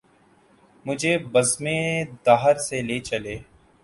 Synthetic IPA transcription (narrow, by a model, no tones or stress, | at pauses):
mʊd͡ʒʱebɐzmẽd̪aːɦəɾseleːt͡ʃɐleː